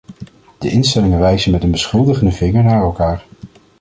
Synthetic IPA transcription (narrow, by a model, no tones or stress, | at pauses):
d̥əʔɪnstɛlɪŋənʋɛjzənmɛtənbəsχɵlˠdəχəndəvɪŋəɹnaːɹɛlˠkaːɹ